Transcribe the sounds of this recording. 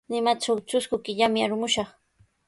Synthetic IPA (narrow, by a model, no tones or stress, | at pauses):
nɪmat͡ʃawt͡ʃʊskʊkɪʎamɪaɾʊmʊʃɑχ